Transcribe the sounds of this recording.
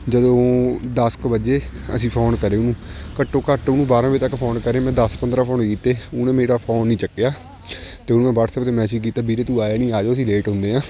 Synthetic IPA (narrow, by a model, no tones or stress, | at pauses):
d͡ʒəd̪õːd̪əskbəd͡ʒeː | ə̰sĩːpʰoːnkəɾeːʊnũːkəʈːõːkəʈʊnũːbaːɾãːbeːt̪əkːpʰoːnkəɾẽːmɛ̃ːd̪əspənd̪ɾaːpʰoːnkiːt̪eːʊnẽːmeːɾaːpʰoːnːĩːt͡ʃəkːjaː | t̪eːʊnũːmɛ̃ːbəʈsəkt̪eːmɛ̃ːsid͡ʒk̬iːt̪aːbiːɾeːt̪ũːaːjeːnĩːaːd͡ʒoːəsĩːleːʈɦʊ̃nd̪eːɦãː